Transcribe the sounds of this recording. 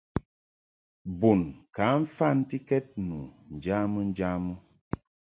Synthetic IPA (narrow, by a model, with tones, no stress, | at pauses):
bu˨nka˨˦ɱ̩˦fa˦˨n̩˦ti˦kɛ˦t̚nu˨n̩˨d͡ʒa˦mə˦n̩˦d͡ʒa˦mə˦